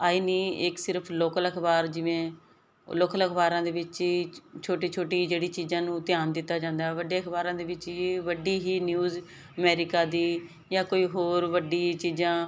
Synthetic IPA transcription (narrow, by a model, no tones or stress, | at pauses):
aːiːniːɪksɪɾəpʰloːkələkʰbaːɾd͡ʒɪʋẽː | loːkələkʰbaːɾãːd̪eːʋɪt͡ʃiːt͡ʃʰoːʈiːt͡ʃʰoːʈiːd͡ʒeːɽiːt͡ʃiːzãːnũːt̪ɪjaːnd̪ɪt̪ːaːd͡ʒãːnd̪aːɛʋəɖeːəkʰbaːɾãːd̪eːʋɪt͡ʃiʋəɖiːɦiːnjuːz | əmɛːɾɪkaːd̪iː | jãːkoːiːɦoːɾʋəɖiːt͡ʃiːzãː